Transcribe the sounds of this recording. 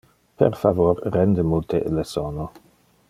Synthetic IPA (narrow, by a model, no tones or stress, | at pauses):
pḛrfavorːɛnd̪əmult̪ʰḛlesɔno